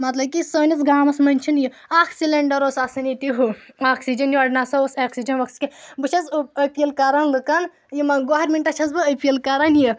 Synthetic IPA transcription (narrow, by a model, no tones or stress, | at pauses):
mɐt̪lɐbkʲisoːnʲɐt͡sɡaːmɐsmɐnʲt͡ʃʰinji | aːkʰsilɐɳɖɐɾosasɐnit̪iɦuaːksid͡ʒɐnjiɐɖnaːsɐosaːksid͡ʒɐnʋɐkskebɨt͡ʃʰɐzɐpʲiilkaɾɐnlɨkɐn | jimɐɡoːɦɐɾʲmʲeɳʈɐt͡ʃʰɐsbɨɐpʲiɐlkɐɾanji